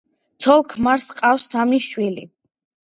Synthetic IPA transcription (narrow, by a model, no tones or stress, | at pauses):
t̪sʰɔlˠkʰmaɾsqʼafsːamniʃwilḭ